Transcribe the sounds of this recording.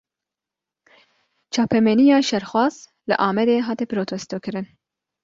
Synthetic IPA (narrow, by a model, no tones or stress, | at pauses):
t͡ʃʰɑːpʰɛmɛnijɑːʃɛɾxwɑːz | lɨ̰ʔɑːmɛd̪eːɦɑːt̪ɛpɨɾoːt̪ʰost̪oːkɨɾɨn